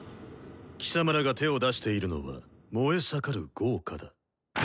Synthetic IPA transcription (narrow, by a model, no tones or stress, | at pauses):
kʲi̥samaɾaɡat̪e̞o̞d̪aɕi̥t̪e̞iɾɯ̟no̞̰βa̰ | mo̞e̞sakaɾɯ̟ɡ̥o̞ːkʰad̪a